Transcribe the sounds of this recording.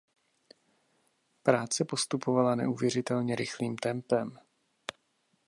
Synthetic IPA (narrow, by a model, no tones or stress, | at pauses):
pɾaːt͡sɛpo̞st̪upovalanɛ̰ʔuːvjɛrɪt̪ɛlɲɛɾɪxliːmt̪ɛmpɛm